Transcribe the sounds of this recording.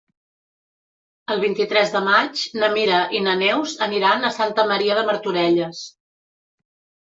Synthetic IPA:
əlˠβint̪it̪ɾɛzðəmat͡ʃnəmiɾəʔinənɛwzəniɾanəsant̪əməɾiəðəməɾt̪uɾɛʎəs

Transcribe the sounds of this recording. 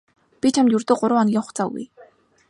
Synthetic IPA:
pʲit͡ɕʰamt̪jɵrt̪oːɢʊɾʊ̆ːɔnɡʲiːŋχʊχt͡saːɡṵj

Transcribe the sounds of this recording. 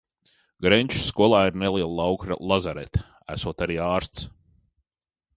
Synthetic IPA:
ɡɾɛɲʲt͡ʃu̥skuɔlˠaːiɾnɛliɛlˠawkɾ̰lˠazaɾɛ̰t̪ | æ̰suɔt̪aɾiːaːɾst̪s

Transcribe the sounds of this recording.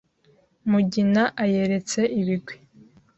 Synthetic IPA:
muɟinaʔaje̞ɾe̞t͡se̞ʔiβiɡwi̥

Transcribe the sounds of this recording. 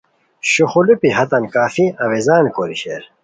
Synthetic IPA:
ɕuxulupiɦɐt̪ɐnkaːfiɐwezaːnkoːɾiɕeːɾ

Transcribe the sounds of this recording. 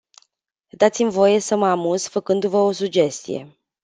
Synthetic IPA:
d̪at̪simvo̞je̞səməamuz̥fəkɨnd̪uvəo̞sud͡ʒe̞st̪ḭje̞̰

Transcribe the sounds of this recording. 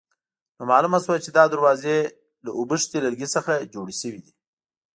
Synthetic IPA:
nomɑːlumaswat͡ʃed̪ɑd̪aɾwɑze | laʔʊbəʂt̪elaɾɡisəxad͡ʒoɽiʃəwid̪i

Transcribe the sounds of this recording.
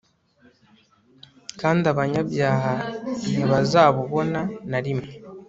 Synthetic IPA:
kaːndiaβaɲaβjaːhaniβazaːβuβo̞nanaɾime

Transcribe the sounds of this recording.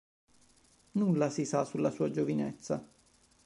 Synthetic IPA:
nulːasisasulːasuːad͡ʒovinḛt̪sːa

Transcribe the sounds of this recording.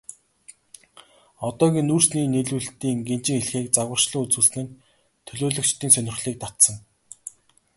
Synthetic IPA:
ɔt̪ɔːɣʲiːnːuːr̥sniːneɮuːɮt̪iːŋɡen̥t͡ɕɪ̆ŋeɮxeːk̚t͡saɣwə̆r̥ʃɮə̆ŋut͡suːɮsnɘ̆n | t̪ʰɵɮoːɮɵ̆k̚t͡ɕt̪iːŋsœnʲɪ̆χɮiːk̚t̪at̪sə̆ŋ

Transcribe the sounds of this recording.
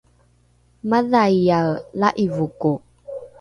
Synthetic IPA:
maðajjalaʔivuku

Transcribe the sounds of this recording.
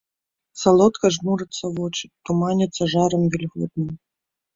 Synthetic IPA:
sɐlˠɔt̪kɐʐmuɾɨt̪sːɐvɔt͡ʃɪ̥t̪ːumanʲɪt̪sːɐʐaɾɨmvʲilʲɣṵd̪nɨm

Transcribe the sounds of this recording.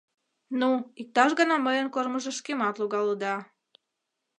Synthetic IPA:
nuik̚t̪ɑʃɣənɑməjənkorməʒeʃkemɑt̪luɣɑləd̪ɑ

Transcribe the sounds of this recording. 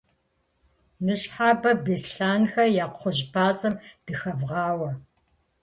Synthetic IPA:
nɨɕħaːbɐbeːsɬaːnxɐjaːqʷʰʊʑbʰaːsʼɐmd̥ɨxɐvʁɑːwɐ

